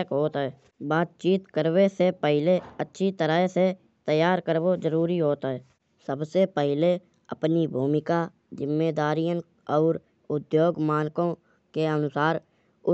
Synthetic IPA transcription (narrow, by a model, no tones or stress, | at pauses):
kɦoːt̪ɛː | baːt̪̚t͡ʃiːt̪kəɾwesepəɦɪleətːʃʰit̪əɾaɦese | t̪əjaːɾkəɾʋod͡ʒəɾuːɾiɦoːt̪aɦɛː | səbsepəɦɪle | əpnibʱuːmɪka | zɪmːeːd̪aːɾijə̃ | ɔːɾ | ʊd̪joːɡmaːnkõ | keənʊsaːɾ | ʊ